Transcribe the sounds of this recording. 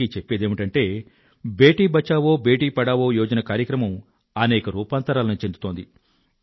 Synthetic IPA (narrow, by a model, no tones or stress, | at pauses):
it͡ʃe̞pːeːd̪eːmiʈɐɳʈe̞ː | be̞ːʈiːbɐt͡ʃːaːʋo̞ːbe̞ːʈiːpɐɽaːʋoːjɔːd͡ʒɐnɐkaːɾjɐkɾɐmɐm | ɐnɛːkɐɾuːpaːnt̪ɐɾaːlɐnut͡ʃend̪u̥t̪oːnd̪i